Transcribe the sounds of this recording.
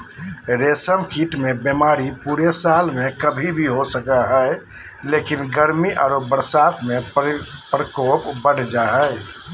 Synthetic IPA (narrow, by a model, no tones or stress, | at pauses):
ɾesəmkʰiʈmebemaɾipuɾesalmẽkəbʱibʱiɦosəkaɦəɪ | lekinɡəɾmiʔa̰ːɾobəɾsat̪mepɾəkopbəɽ̤d͡ʒaɦəj